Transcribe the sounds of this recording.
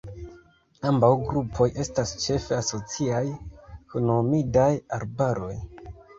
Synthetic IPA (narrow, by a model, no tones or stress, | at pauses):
ambawɡɾupʰo̞je̞stast͡ʃe̞fe̞aso̞t͡siajkonomidajaɾbaɾo̞j